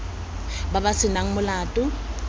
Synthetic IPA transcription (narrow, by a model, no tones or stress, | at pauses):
babasɪnaŋ̩mʊlaːtʼʊ